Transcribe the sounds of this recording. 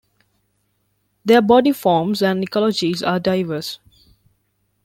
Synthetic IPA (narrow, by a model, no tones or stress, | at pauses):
d̪eəbɔɖifɔːmzæ̃nikɔlɔd͡ʒizaːɖaɪʋəs